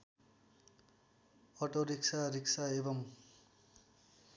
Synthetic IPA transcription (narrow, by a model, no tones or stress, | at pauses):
ʌʈoɾiksaɾiksaebʌm